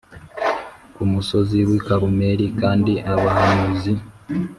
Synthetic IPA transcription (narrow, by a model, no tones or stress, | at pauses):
kumuso̞ziwikaɾumeɾikaːndiʔaβahanuzi